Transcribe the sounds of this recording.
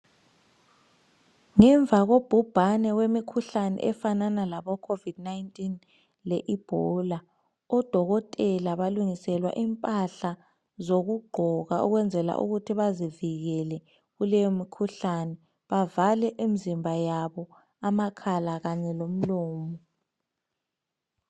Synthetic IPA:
ŋɛɱb̪vʱaɣob̥ʱub̥ʱanɛwemikʰuɬanɛ̰ʔɛfananalaβɔkʰovid̥naintʼin | lɛʔib̥ʱɔla | ɔd̥ʱɔɣɔtʼɛlaβaluŋisɛlwa̰ʔimpʼaɬa | zoɣuɡ͡ǃʱɔɣa̰ʔṵɣwɛnd͡zʱɛla̰ʔṵɣutʰiβaziviɣɛlɛ | ɣulɛjomikʰuɬanɛ | βavalɛʔemizimbʱajaβɔ | amakʰalaɣaɲɛlom̩lɔːmɔ

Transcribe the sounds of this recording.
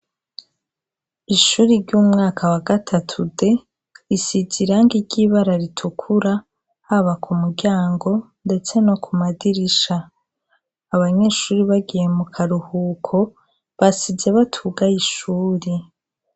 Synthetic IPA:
iʃuːɾiɾɟuːmŋaːkʰawaɡatʰatʰude | isiziɾaŋɡiɾɟiːβaɾaɾitʰukʰuɾa | haβakʰumuɡaːŋɡo̞ | nde̞t͡se̞no̞kʰumadiɾiʃaː | βaɲe̞ːʃuːɾiβaɡije̞mukʰaɾuhuːkʰo̞ | βasize̞βatʰuɡajiʃuːɾi

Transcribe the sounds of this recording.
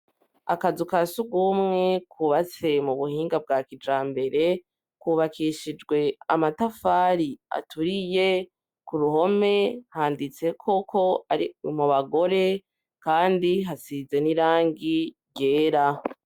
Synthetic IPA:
a̰kazukasuɡumŋe̞kʰuβat͡se̞muβuhiːŋɡab̚ɡaːkid͡ʒaːmbe̞ɾe̞ | kuːβakiʃid͡ʒɡwe̞amatafaːɾia̰tʰuɾije̞ | kuɾuɦo̞me̞haːndit͡se̞kʰo̞kʰo̞aimuβaɡo̞ɾe̞ | kaːndiɦasize̞niɾaːŋɡi | ɟe̞ːɾa

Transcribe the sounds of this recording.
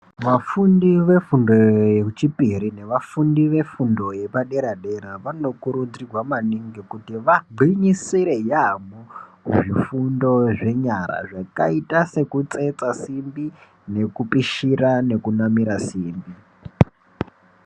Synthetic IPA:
ʋafundiʋe̞fundo̞jet͡ʃipiɾine̞ʋafundiʋe̞fundo̞je̞paɗe̞ɾaɗe̞ɾaʋano̞kuɾud͡zirwamaniŋɡikutiʋaɡ͡ǃʱiɲisiɾe̞jamoʐifundo̞ʐe̞ɲaɾa̰ʐaka̰itase̞kut͡se̞t͡sasimbi | ne̞kupiʃirane̞kunamiɾasiːmbi

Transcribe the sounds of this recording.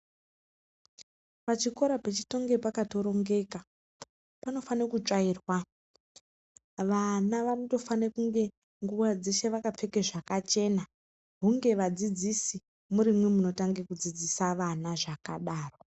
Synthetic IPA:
pat͡ʃiko̞ɾapet͡ʃi̥to̞ŋɡe̞pakato̞ɾo̞ŋɡe̞ka | pano̞fanekut͡ʂaiːrwa | ʋanaʋanoto̞fanekuŋɡe̞ | ŋɡuʋad͡ze̞ʃe̞ʋakap͡fe̞keʐakat͡ʃe̞na | ɦuŋɡe̞ʋad͡zid͡zisi | muɾimwemuno̞taŋɡekud͡zid͡zisaʋanaʐakaɗaːro

